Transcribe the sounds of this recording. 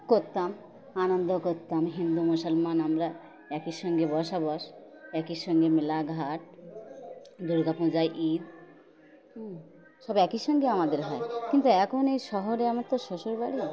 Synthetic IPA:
koɾt̪am | anond̪okoɾt̪amɦind̪umusɔlmanamɾa | ɛkiʃɔŋɡebɔʃabɔʃɛkiʃɔŋɡemilaɡʱaʈ | d̪uɾɡapũd͡ʑajʔid̪̚ | ʃɔbɛkiʃɔŋɡeamad̪eɾɦɔekint̪uɛkʰonejʃɔɦoɾeamaɾt̪oʃoʃoɾbaɽi

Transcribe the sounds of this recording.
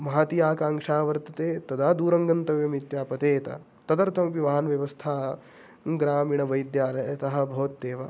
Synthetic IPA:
mɐɦat̪ijaːkaːŋʂaːʋɐɾt̪ɐt̪eːt̪ɐd̪ʱaːd̪uːɾɐŋɡɐnt̪ɐʋjɐmit̪jaːpɐt̪eːt̪ɐ̰ | t̪ɐd̪ɐɾt̪ʰɐmɐʋiʋaːɦɐnʋjɐʋɐst̪ʰaː | ɡɾaːmiɳɐʋɐjd̪jaːlɐjɐt̪ɐɦɐ̆bʱɐʋɐt̪ːeːʋɐ

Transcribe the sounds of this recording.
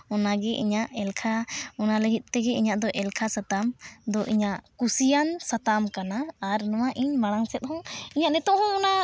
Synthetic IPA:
ɔnaɡɛʔḭɲaʔɛlkʰaɔnaləɡit̪̚ˀt̪ɛɡɛiɲaʔd̪ɔʔɛlkʰasat̪amd̪ɔʔiɲaʔkusijansat̪amkanaːɾnɔwaʔiɲmaɽ̃aŋsɛt̪̚ˀhɔ̃ŋiɲaʔnɛt̪ɔʔhɔ̃ɔna

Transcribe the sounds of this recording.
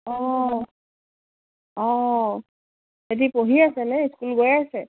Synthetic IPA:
ɔ̃ | ɔ̃ | edipoɦiasɛnɛiskulɡojasɛ

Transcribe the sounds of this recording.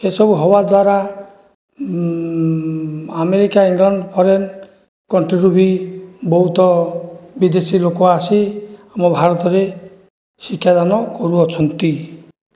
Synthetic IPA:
esɔbuɦɔbad̪waɾa | ameɾikaiŋlɔɳɖpʰɔɾen | kɔɳʈɾiɾubʱibɔɦut̪ɔbid̪esilokɔasiamɔbʱaɾɔt̪ɔɾe | sikʰːjad̪anɔkɔɾuɔt͡ʃʰɔnt̪i

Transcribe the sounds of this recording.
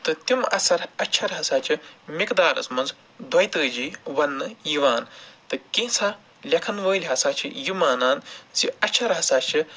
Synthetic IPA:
t̪ɨt̪umɐ̰sɐɾɐtʲːt͡ʃʰɐɾɦɐsaːt͡ʃʰimikd̪aːɾɐ̰smɐnz | d̪ʱwɐjt̪əːd͡ʒiːʋɐnːɨjiʋaːnt̪ɨkĩːsʰa | lʲɐkʰɐnʋəːlʲɦɐsaːt͡ʃʰḭjimaːnaːnziɐtʲːʃʰɐɾɦɐsaːt͡ʃʰi

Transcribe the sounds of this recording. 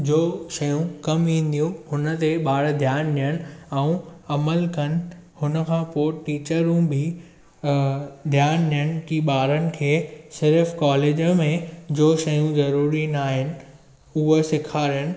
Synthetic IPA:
d͡ʑoːʃɐjũkɐmĩːn̆d̪ijũhʊnə̆t̪eɓaːɽd̪ʱjaːnlijəɽ̃ɪ̆ɛũɐməlkɐn̆hʊnə̆kʰãːpoːʈiːt͡ɕəɾũbʱɪ | d̪ʱjaːnlijəɽ̃ɪkiɓaːɾənɪ̆kʰeːsɪɾfkɔːleːd͡ʑmẽd͡ʑoːʃɐjũzɐɾuːɾinaːɦɪnɪ̆ | ʊɦosɪkʰaːɾijəñɪ̆

